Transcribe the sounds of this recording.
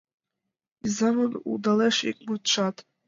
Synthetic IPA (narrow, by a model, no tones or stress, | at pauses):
izamɨnṵdaleʂikʼmut͡ʃʷʰatʼ